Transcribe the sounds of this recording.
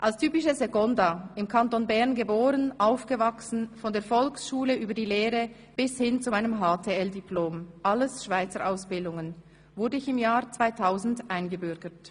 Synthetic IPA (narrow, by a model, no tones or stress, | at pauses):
ʔalstʰyːpɪʃəzeɡɔndaɪmkʰantonbɛʁnɡəboːʁənʔaʊfɡ̥əvaksn̩fɔndeːɐfɔlksʃuːləyːbɐdiːleːʁə | b̥ɪshɪnt͡sumaɪnəmɦaːtʰeːɛldiploːmʔaləsʃv̥aɪt͡səɾʔaʊsb̥ɪldʊŋən | vʊʁdəɪçɪmjaːʁt͡sv̥aɪtʰaʊzn̩dʔaɪnɡəbʏʁɡət